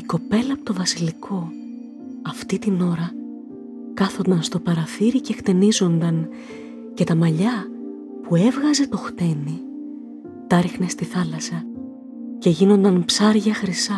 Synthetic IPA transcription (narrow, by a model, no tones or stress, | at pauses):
iko̞pe̞lɐpot̪ovɐsilikʰo̞ | ɐft̪it̪ino̞ɾɐ | kɐθo̞nd̪ɐnst̪o̞pɐɾɐθiɾicext̪e̞nizo̞nd̪ɐn | ce̞t̪ɐmɐʎɐ | pue̞vɣɐze̞t̪o̞xt̪e̞ni | t̪ɐɾixne̞st̪iθɐlɐsɐ | ce̞ʝino̞nd̪ɐnpsɐɾʝɐxɾisɐ